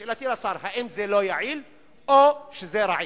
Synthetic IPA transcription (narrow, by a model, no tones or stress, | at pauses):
lat̪ilasaɾhaʔimzelojaʕil | oʃezeɾaʕi